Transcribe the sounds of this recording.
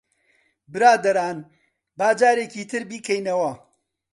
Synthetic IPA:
bɨɾaːd̪ɐɾaːn | baːd͡ʒaːɾeːciːt̪ʰɨɾbiːkʰɐjnɐwɐ

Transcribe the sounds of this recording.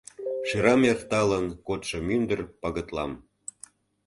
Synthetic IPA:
ʃiɾɑmjɑχt̪ɑlənkot̪ʃɤ̆mynd̪ə̆rpɑɣə̆t̪lɑ̰m

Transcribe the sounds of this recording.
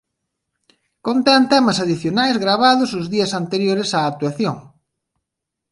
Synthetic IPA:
kont̪ɛnt̪ɛmɐsaðiθjonajzɣɾaβ̞aðʊsʊzðiɐsant̪eɾjoɾɪsaːk̚t̪waθjoŋ

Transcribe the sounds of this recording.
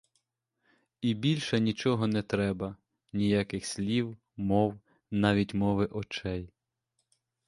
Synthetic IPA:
ibʲilʲʃɐnʲit͡ʃɔɦɔnɛt̪ɾɛbɐ | nʲijɑkɪxsʲlʲiw | mɔw | nɑʋʲitʲmɔʋɪʔɔt͡ʃɛj

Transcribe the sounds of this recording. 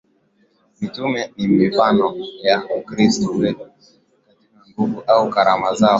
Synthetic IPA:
mitumɛnimifanɔjaukɾistɔwɛtu | katikaŋɡuvuʔaukaɾamaza

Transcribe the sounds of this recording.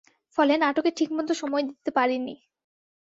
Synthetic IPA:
fɔlenaʈokeʈʰikmod̪ʱoʃɔmɔed̪it̪ːepaɾini

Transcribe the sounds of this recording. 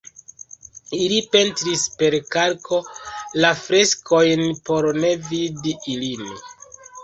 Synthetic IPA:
ilipe̞ntɾispe̞ɾkaɾkʰo̞lafɾe̞skʰo̞jnpo̞ɾne̞vidiilin

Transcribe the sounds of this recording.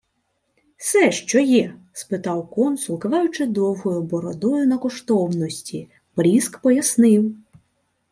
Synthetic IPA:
sɛʃt͡ʃɔjɛ | spɪt̪ɑwkɔnsʊlˠkɐʋɑjʊt͡ʃɪd̪ɔwɦɔjʊbɔɾɔd̪ɔjʊnɐkɔʃt̪ɔwnɔsʲtʲi | pɾʲiskpɔjɐsnɪw

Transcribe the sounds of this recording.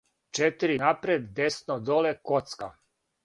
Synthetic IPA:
t͡ʃet̪iɾinapɾed̪ːesnod̪olekot̪ska

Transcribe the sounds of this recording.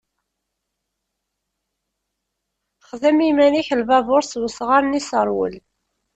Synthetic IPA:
χðəmimæniçəlvævʊɾswəsʁaɾnisəɾˤwə̰l

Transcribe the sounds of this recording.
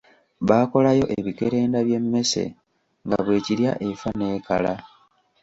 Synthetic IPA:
βaːko̞lajo̞ʔe̞βike̞ɾe̞ːndaβje̞mːe̞se̞̰ | ŋɡa̰βwe̞ːcilja̰ʔe̞fane̞ːkala

